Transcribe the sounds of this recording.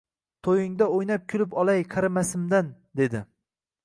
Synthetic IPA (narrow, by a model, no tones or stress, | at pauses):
t̪ʰojɪŋd̪aojnap̚kʲʰʊlɪpɒlˠajqʰɑɾamasɪmd̪and̪e̞d̪ɪ